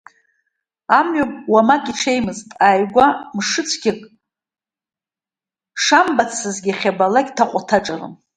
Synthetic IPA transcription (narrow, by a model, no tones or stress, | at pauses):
amɥamʼwamakʼiʈ͡ʂʰe̞jmɨztʼajɡʷamʂɨt͡sʷʰɡʲɪkʼ | ʂambat͡sʰɨzɡʲiχʲabalaɡʲtʰaqʷʼatʰaʈ͡ʂʼarɨ̰m